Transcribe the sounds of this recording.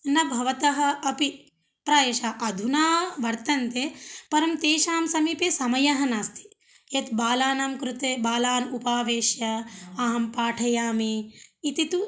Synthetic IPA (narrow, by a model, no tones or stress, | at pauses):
nɐbʱɐʋɐt̪ɐɦɐ̆ɐpi | pɾaːjɐʃaːʔɐd̪ʱunaːʋɐɾt̪ɐnt̪epɐɾɐmt̪eːʃaːmsɐmiːpeːsɐmɐjɐɦɐnaːst̪i̥ | jɐt̪baːlaːnamkɾut̪eːbaːlaːnupaːʋeːʃjɐɐɦɐmpaːʈʰɐjaːmiit̪it̪u